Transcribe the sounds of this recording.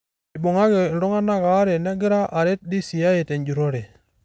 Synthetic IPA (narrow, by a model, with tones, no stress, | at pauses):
bʊ˨ŋa˦kɪ˨ɾʊ˦ŋa˦na˦ka˨˦ɾe˨nɛ˦ɡɪ˦ɾa˦ʔa˨ɾe˦t̚di˦si˨a˦e˨tɛ˨ɲd͡ʒu˨ɾo˦ɾe˨